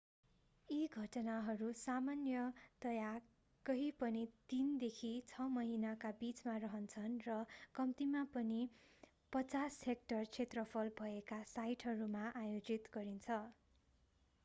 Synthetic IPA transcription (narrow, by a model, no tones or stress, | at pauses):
iɡʱʌʈʌnaɦʌɾusamanjʌt̪ʌja | kʌɦipʌnit̪ind̪ekʰit͡sʰʌmʌɦinakabit͡smarʌɦʌnt͡sʰʌnrʌkʌmt̪imapʌni | pʌt͡sashek̚ʈʌrt͡sʰet̪rʌpʰʌlbʱʌekasajʈɦʌɾumaʔajod͡zit̪ɡʌɾint͡sʰʌ